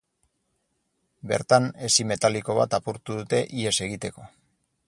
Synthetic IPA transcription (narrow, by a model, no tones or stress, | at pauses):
be̞̰ɾt̪ane̞sime̞t̪aliko̞β̞a̰t̪apuɾt̪uðut̪e̞ʔie̞se̞ɣit̪e̞ko̞